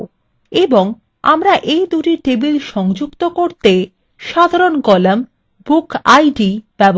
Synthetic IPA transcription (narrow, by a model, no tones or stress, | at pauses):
eboŋ | a̰mɾaʔejd̪uʈiʈebilʃɔŋd͡ʑukt̪okoɾt̪e | ʃad̪ʱaɾonkɔlam | bukajɖib̥ɛbo